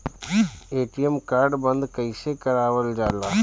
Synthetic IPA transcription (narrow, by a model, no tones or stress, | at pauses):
eːʈijemkaːɾɖbɐ̃nd̪kɐɪsekɐɾaːʋəld͡ʒaːlaː